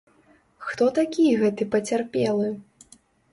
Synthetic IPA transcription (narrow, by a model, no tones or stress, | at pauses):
xt̪ɔt̪akʲijɛɣɛt̪ɨpɐt͡sʲarpʲɛlˠɨ